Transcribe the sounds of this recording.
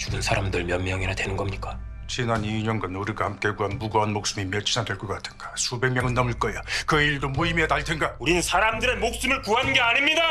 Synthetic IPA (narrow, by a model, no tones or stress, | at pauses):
t͡ɕuɡɯnsʰaɾamdɯɭmjʌŋmjʌŋinadwe̞nɯnɡʌmɲik͈a | t͡ɕinaniɲʌnɡanuɾiɡahamk͈e̞ɡuɦanbuɡoɦanmok̚s͈ɯmimʌt͡ɕʰi̥nadweɭk͈ʌk͈atʰɯ̥nɡ̥ḁsʰube̞ŋmjʌŋɯɭnʌmɯɭk͈ʌjakɯiɭdomoimetaɭtʰeŋɡauɾinɯnsʰaɾamdɯɾe̞mok̚s͈ɯmɯɭkuɦannɡeaɲimɲida